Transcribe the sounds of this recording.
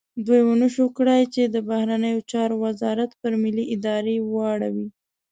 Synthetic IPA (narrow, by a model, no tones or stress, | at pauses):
d̪ujwənəʃokɽajt͡ʃed̪əbahɾanəjot͡ʃɑɾowazɑɾat̪pəɾmɪliʔɪd̪ɑɾewɑɽawi